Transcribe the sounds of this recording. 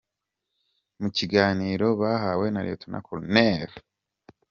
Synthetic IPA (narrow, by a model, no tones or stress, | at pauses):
muciɡaːniːɾo̞βaɦaːwe̞naɾḛtʰonʔa̰kʰolneːɾo